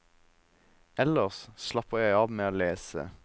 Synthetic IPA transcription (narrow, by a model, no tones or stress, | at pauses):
ɛləʁsslɑpəʁjæɪɑːʋmeːoːleːsə̰